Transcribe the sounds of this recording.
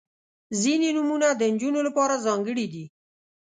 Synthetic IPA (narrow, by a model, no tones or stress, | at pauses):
zininumunad̪ənd͡ʒunolapɑːɾazɑŋɡəɽid̪i